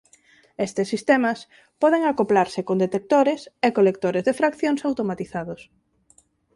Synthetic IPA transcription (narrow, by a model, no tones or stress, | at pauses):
est̪esːist̪emɐs | pɔðeŋakoplaɾsɪkond̪et̪ek̚t̪oɾesekolek̚t̪oɾezðefɾakθjoŋsawt̪omat̪iθaðos